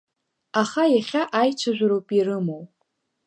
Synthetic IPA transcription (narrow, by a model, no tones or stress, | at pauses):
aχajaχʲaʔajt͡ʃʷʰaʒʷᶣaɾowpʼirɨmow